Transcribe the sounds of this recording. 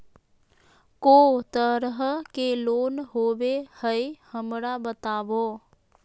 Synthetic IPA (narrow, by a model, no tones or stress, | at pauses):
koːt̪əɾɦəkeloːnɦoːwehəjhəmɾabət̪aːʋoː